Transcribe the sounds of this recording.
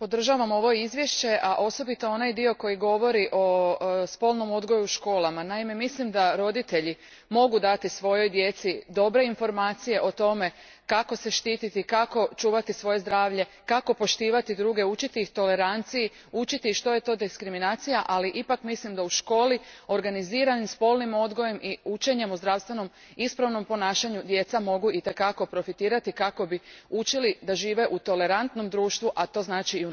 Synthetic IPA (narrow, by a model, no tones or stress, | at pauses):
po̞d̪r̩ʒaʋamo̞ʋo̞izʋje̞ʃt͡ɕe̞ʔaʔo̞so̞bit̪oo̞najd̪io̞ko̞jiɡo̞ʋo̞ɾiʔo̞spo̞ːlˠno̞mo̞d̪ɡo̞juʃko̞ːlˠamanaime̞mislimd̪aɾo̞d̪it̪e̞ʎi | mo̞ɡud̪at̪isʋo̞jo̞jd̪je̞t̪sid̪o̞bɾe̞info̞ɾmaːt̪sije̞ʔo̞t̪o̞me̞ | kako̞se̞ʃt̪iːt̪it̪ikako̞t͡ʃuːʋat̪isʋo̞je̞zd̪ɾaːʋʎe̞ | kako̞po̞ʃt̪iːʋat̪id̪ɾuːɡe̞ut͡ʃit̪iixt̪o̞le̞ɾant̪siji | ut͡ʃit̪iʃt̪o̞je̞t̪o̞ːd̪eskɾiminaːt̪sijaʔaliʔipakmislimd̪auʃko̞ːlio̞ɾɡaniziːɾanimspo̞lˠnimo̞d̪ɡo̞je̞mʔiut͡ʃe̞ɲe̞muzd̪ɾaʋst̪ʋe̞no̞m | ispɾaʋno̞mpo̞naːʃaɲud̪je̞t̪samo̞ɡuʔit̪e̞kako̞pɾo̞fit̪iːɾat̪ikako̞biut͡ʃilid̪aʒiːʋe̞ʔut̪o̞le̞ɾant̪no̞md̪ɾuːʃt̪ʋuʔat̪o̞ːznaːt͡ʃiu